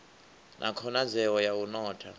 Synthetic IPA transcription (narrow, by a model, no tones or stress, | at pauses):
nʔa̰kʰɔnazɛwɔjawunɔːtʰa